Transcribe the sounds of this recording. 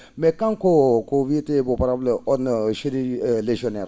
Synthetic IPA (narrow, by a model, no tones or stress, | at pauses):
mɛkãŋkokovietebopaɾableɔdnʃeɾileʒɔnɛɾ